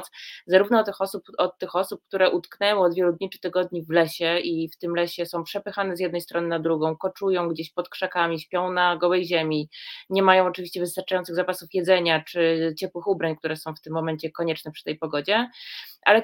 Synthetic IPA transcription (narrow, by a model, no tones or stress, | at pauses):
t̪szaɾuvnɔɔt̪ɘxɔsupɔt̪ːɘxɔsup̚k̚t̪uɾɛʔut̪knɛwɛ̃ɔd̪vʲjɛlud̪ɲit͡ʂɘ̥t̪ɘɡɔd̪ɲivlɛɕɛift̪ɘmlɛɕɛsɔ̃w̃pʂɛpɘxanɛzjɛd̪nɛjst̪ɾɔnɘnad̪ɾuɡɔ̃w̃kɔt͡ʂujɔ̃w̃ɡd͡ʑeɕpɔt̪kʂakamʲiɕpʲjɔ̃w̃naɡɔwɛjʑɛmʲiɲɛmajɔ̃w̃ɔt͡ʂɘvʲiɕt͡ɕɛvɘst̪aɾt͡ʂajɔnt̪sɘɣzapasufjɛd̪zɛɲat͡ʂɘt͡ɕɛpwɘxubɾaɲkt̪uɾɛsɔ̃w̃ft̪ɘmːɔmɛɲt͡ɕɛkɔɲɛt͡ʂnɛpʂɘ̥t̪ɛjpɔɡɔd͡ʑɛʔa̰lɛ